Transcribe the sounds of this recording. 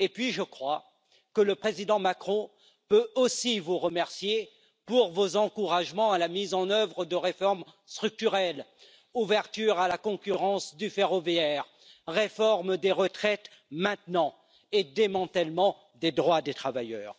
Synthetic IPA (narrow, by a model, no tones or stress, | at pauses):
epɥiʒəkχwa | kələpχezid̪ɑ̃makχɔ̃ | pøosivuʁəmɛʁsje | puʁvozɑ̃kuʁaʒmɑ̃alamizɑ̃nœvʁəd̪əʁefɔʁmst̪χyk̚t̪yʁɛl | uvɛʁt̪yʁalakɔ̃kʲyʁɑ̃sd̪yfeʁɔveɛʁ | ʁefɔʁmd̪eʁət̪χɛt̪ | mɛ̃t̪nɑ̃ | ed̪emɑ̃t̪ɛlmɑ̃ | d̪ed̪ʁwad̪et̪χavajœːʁ